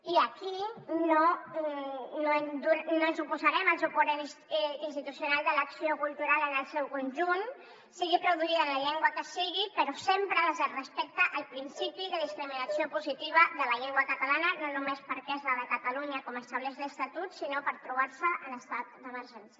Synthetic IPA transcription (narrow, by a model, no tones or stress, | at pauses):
iəkino | noend̪uɾnoənzupuzəɾɛməlˠzupuɾensinst̪it̪usjunalˠd̪ələksiokulˠt̪uɾalənəlˠsɛwkunʒun | siɣipɾuðuiðənləʎɛŋɡwəkəsiɣipəɾɔsempɾəəzərəspɛk̚t̪əʔːlˠpɾinsipiðəðiskɾiminəsiopuzit̪iβ̞əðələʎɛŋɡwəkət̪əlanənonumespəɾkɛzləðəkət̪əluɲəkɔməst̪aβ̞lɛzðəst̪at̪ut̪sinopəɾt̪ɾuβ̞aɾsəʔənəst̪at̪̚d̪əməɾʒɛnsjə